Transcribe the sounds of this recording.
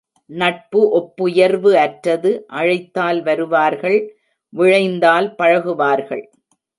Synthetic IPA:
nɐʈ̚pɯʔɔpːʊjɐɾʋɯɐʈɾɐðɯʔɐɻɐɪt̪ːaːlʋɐɾɯʋaːɾɣɐɭ | ʋɪɻɐɪnd̪aːlpɐɻɐɣɯʋaːɾɣɐ̰ɭ

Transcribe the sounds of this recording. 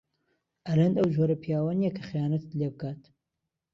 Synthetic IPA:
ʔɐlɐnd̪ɐwd͡ʒoɾɐpʰijaːwɐnijɛkʰɐχjaːnɐt̪ɨ̥t̪lebɨkʰaːt̪

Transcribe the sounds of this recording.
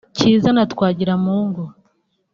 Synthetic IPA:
ciːzanatkwaːɟiɾamuːŋɡo

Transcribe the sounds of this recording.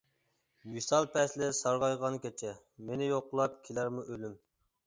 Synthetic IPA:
wisɑlˠpʰɛslɪsɑɾʁɑjʁɑnkʲʰet͡ʃʰɛ | menɪjoqʊlˠɑp̚kʲʰelæɾmuʔølym

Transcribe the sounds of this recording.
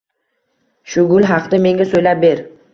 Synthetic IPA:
ʃʊɡʊlˠɦɑqd̪ame̞ŋɡʲasojlap̚be̞ɾ

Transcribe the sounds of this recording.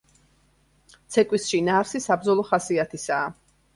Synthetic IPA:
t̪sʰɛkʼwisʃinaːɾsisabd̪zɔlˠɔχasiat̪ʰisaː

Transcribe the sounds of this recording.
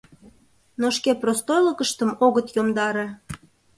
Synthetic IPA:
noʃkeprost̪ojləkəʃt̪əmoɣət̪jomd̪ɑɾe

